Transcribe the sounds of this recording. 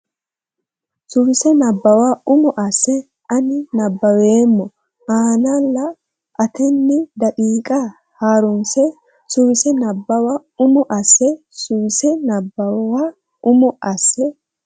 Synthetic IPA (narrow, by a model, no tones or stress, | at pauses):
sʊwɪsɛnɐbːɐwaːʊmɔʔɐsːɛ | ʔɐnɪnɐbːɐweːmːɔ | aːnɐlːɐ | ʔɐt̪ʰɛnːɪd̪ɐkʼiːkʼa | haːɾʊnsɛ | sʊwɪsɛnɐbːɐwa | ʊmɔʔɐsːɛ | sʊwɪsɛnɐbːɐwaː | ʔʊmɔʔɐsːɛ